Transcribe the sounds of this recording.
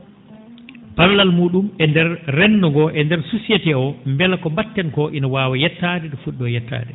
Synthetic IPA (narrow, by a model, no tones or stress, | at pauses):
pallalmuːɗumɛndɛɾrɛnːɔŋɡɔʔɛndɛɾsusiɛtɛɔmbɛlakɔmbatːɛnkɔʔinawaːwajɛtːadɛɗɔfuɗːɔjɛtːa̰ːdɛ